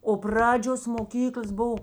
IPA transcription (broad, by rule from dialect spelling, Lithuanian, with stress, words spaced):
oː ˈprɑːd͡ʒʲoːs moːˈkʲiːklˠɐs ˈboːw